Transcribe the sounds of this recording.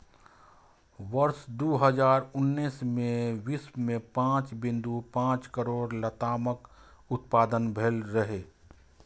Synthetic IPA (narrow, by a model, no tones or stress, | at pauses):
ʋəɾsd̪oːɦəzaːɾʊnːiːsmẽʋɪsmẽpãːt͡ʃbɪ̃nd̪upãːt͡ʃkəɾoːɾlət̪aːmək | ʊt̪̚paːd̪ənbʱeːlɾəɦeː